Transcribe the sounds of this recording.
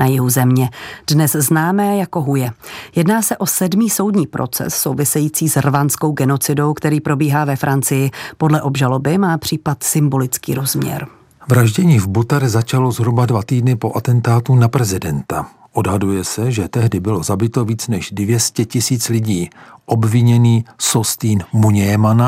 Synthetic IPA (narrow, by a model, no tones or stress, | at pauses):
nʔajɪɦuzɛmɲɛd̥nɛsznaːmɛːjako̞ɦujɛjɛdnaːsɛʔo̞sɛdmiːso̞wdɲiːpɾʔo̞̰t͡sɛ̰sːowvɪsɛjiːt͡siːsrvansko̞wɡɛno̞t͡sɪdo̞wkt̪ɛɾiːpɾo̞biːɦaːvɛfɾant͡sɪjɪpo̞dlɛʔo̞bʒalo̞bɪmaːpr̥iːpat̪sɪmbo̞lɪt͡skḭːɾo̞zmɲɛ̰ɾ | vɾaʒɟɛɲiːvbut̪ɛɾzat͡ʃalo̞zɦɾubadvat̪iːdnɪpo̞ʔat̪ɛnt̪aːt̪unapɾɛzɪdɛnt̪a | ʔodɦadujɛsɛʒɛt̪ɛɦdɪbɪlo̞zabɪt̪o̞viːt͡snɛʃdvjɛscɛcɪsiːt͡slɪɟiːʔobvɪɲɛniːsost̪iːnmuɲɛjɛmana